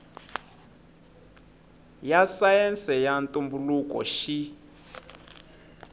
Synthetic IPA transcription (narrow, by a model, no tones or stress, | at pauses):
jasajɛnsɛjantʼumbulukɔ̰ʃi